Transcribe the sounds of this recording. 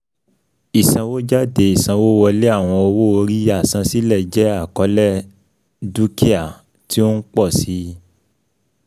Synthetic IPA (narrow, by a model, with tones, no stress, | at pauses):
i˨sã˧wo˦d͡ʒa˦de˧i˨sã˨˧wo˦wɔ˧le˦a˦˨w̃ɔ̃˧o˧wo˦o˧ɾi˦a˦˨sã˧si˦lɛ˦˨d͡ʒɛ˨˦a˦˨kɔ˨˦lɛ˦˨ | du˦ki˦a˦˨ | ti˦o˦n̩˦k͡pɔ˦˨si˨˦